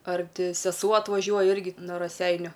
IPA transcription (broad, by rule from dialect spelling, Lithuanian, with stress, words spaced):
ɐr ˈtʲɪ sʲɛˈsuɔ ɐtʋɐˈʒʲuɔjɛ ˈɪrʲɡʲɪ noː rɐˈsʲɛɪnʲʊ